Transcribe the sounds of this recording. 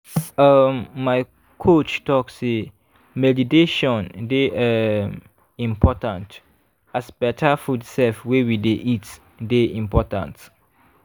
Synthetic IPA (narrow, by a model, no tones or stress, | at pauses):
ʌmːaɪ | kʰot͡ʃtɔkse | mɛditeʃɔ̃ndeɛm | ĩmpʰɔtãnt | asbɛtafudsɛlfwewideʔit | deĩmpɔtã̰nt